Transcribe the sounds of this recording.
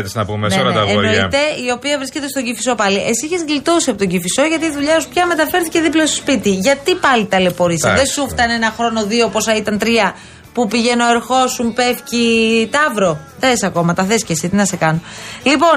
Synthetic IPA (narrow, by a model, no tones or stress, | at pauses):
t̪iznɐpumeneɾɐɐenoit̪e̞io̞piɐvɾisce̞t̪est̪o̞ɟifiso̞pɐliʔe̞siiçezɣlit̪osiɐpo̞t̪o̞ɟifiso̞ʝɐt̪iːðuʎɐospçɐme̞t̪ɐfeɾθice̞ðiplɐst̪ospit̪iʝɐt̪ipɐlit̪ɐlepo̞ɾisiðesuft̪ɐnenɐxɾo̞no̞ðioposɐit̪ɐnt̪ɾiɐ | pupiʝe̞no̞eɾxo̞sumpefcit̪ɐvɾo̞ | t̪ɐesɐko̞mɐt̪ɐθescesit̪inɐsekɐnolipo̞n